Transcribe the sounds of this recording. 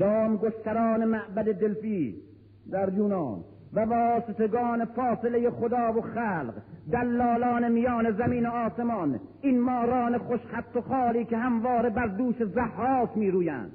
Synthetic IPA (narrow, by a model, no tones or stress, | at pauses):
d̪ɒːmɡoʃt̪æɾɔːnemæʔbæd̪ed̪elfiː | d̪æɾjuːnɑːn | vævɒːset̪eɡɒːnefɒːsele̞jeχod̪ɒːvoxæːlqd̪ælːɒːlɒːnemijɒːnezæmiːnoɒːsemɒːninmɒːɾɒːneχoʃχæt̪ːoχɒːliːkeɦæmvɒːɾebæɾd̪uːʃezæhːɒːt̪miːɾuːjæ̰ːnd̪̥